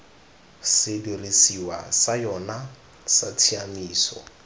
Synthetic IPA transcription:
sɪdirisiwa̰sajɔna | satʰiamiːsɔ̰

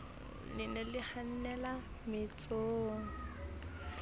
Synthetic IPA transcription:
lɪnɛlɪhan̩nɛla | mɪt͡sʼoːŋ̩

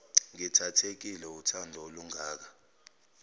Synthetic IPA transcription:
ŋitʰatʰek̬ilɛutʰandʱɔoluŋaːk̬a

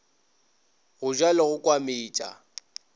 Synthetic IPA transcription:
ɣʊʒwalɪɣʊkʼwamɪːt͡ʃʼa̰

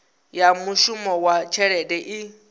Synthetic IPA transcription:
jamuʃumɔwat͡ʃʰɛɺɛdɛʔi

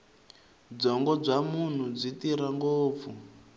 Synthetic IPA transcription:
d͡zɔŋɡɔd͡zamun̤ud͡zitiɾaŋɡoːp̪fu

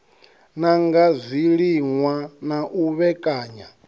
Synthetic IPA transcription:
naŋɡazʷiɺiŋwanaʔuβɛkʼaːɲa

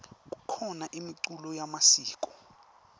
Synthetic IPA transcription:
k̬ʼu̥kʰɔnaʔimiǀulɔjamasiːkʼɔ

